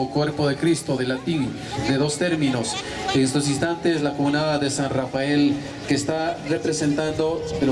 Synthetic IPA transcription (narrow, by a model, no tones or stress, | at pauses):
okwe̞ɾpo̞ðe̞kɾist̪o̞ðe̞lat̪in | d̪e̞ðo̞st̪e̞ɾmĩno̞s | eŋest̪o̞s̬inst̪ant̪eslaxuβnaðaðe̞sanrafae̞l | ke̞ːst̪are̞pɾe̞se̞nt̪and̪o̞peɾ